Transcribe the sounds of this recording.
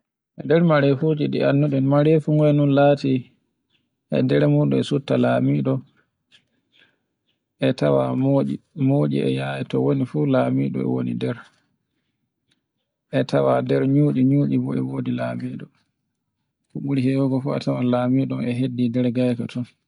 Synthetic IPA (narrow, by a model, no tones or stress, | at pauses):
ʔɛdɛɾmaɾefud͡ʒiɗḭanːuɗɛnmaɾefuŋɡɔɛnunlaːti | ʔɛ̰dɛɾɛmuɗṵɛsutːalamiɗɔ | ʔɛtawamimoɗḭɛ̰jajɛtɔwonifulamiɗɔ̰ɛ̰wo̰nḭdɛɾ | ʔɛtʰawadɛɾɲuːɗiɲuːɗibɔɛ̰wodilamiɗɔ | fuɓuɾihɛwɔɡɔfuɛ̰tawalamiɗɔmɛɦedːidɛɾɡajkatʰɔn